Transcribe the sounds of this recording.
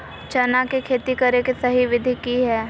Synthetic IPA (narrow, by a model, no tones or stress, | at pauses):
t͡ʃɐnakekʰeːt̪ikɐɾekesɐɦiʋɪd̪ʱikiɦɛː